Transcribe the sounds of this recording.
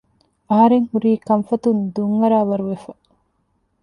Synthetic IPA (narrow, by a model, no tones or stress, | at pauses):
ɐɦɐɾeŋhuɾiːkɐmfɐt̪und̪uŋːɐɾaːʋɐɾuʋefɐ